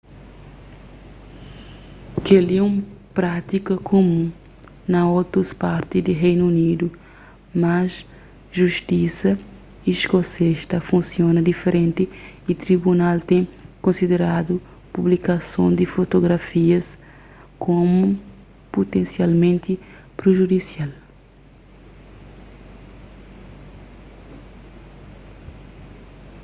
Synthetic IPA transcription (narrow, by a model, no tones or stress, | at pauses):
keliũmpɾat̪ikɐkʰomũ | nɐot̪ɾɐspaɾt̪ɪzd̪ɪɦejnuunid̪u | mɐs | ʒuʃt̪isɐ | iʃkoseʃt̪ɐfũsiõnɐd̪ifeɾẽnt̪ɪit̪ɾibunalt̪ẽj̃kõsid̪eɾad̪u | publikasõ̰w̃d̪ɪfot̪oɡɾafiɐs | kõmu | put̪ẽnsialmẽnt̪ɪ | pɾeʒud̪isial